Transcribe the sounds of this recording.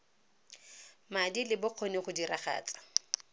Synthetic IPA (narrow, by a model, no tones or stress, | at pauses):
madilɪbʊq͡χʰonɪχʊdiraχa̰ːt͡sḁ